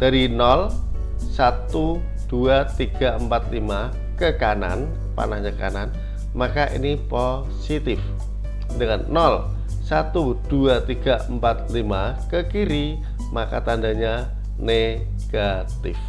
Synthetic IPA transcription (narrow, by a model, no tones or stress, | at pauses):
d̥aɾinɔl | sat̪u | d̥uat̪iɡ̥aəmpat̪̚lima | kəkana̰n | pa̰nahɲaka̰nan | makaʔḭnipo | sit̪ɪf | dəŋanːɔl | sat̪ud̥uat̪iɡ̥aʔəmpat̪̚lima | kəkiɾi | makat̪andaɲa | ne | ɡ̥a | t̪ɪf